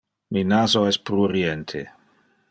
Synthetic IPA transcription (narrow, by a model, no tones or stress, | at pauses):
minaːzoɛspɾuɾient̪ʰḛ